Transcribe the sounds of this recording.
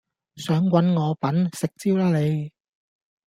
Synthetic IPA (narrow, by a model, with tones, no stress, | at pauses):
sœː˨˥ŋkʷɐ˨˥nŋɔː˨˧pɐ˨˥nsɪ˨k̚t͡siː˥wlaː˥le˨˧j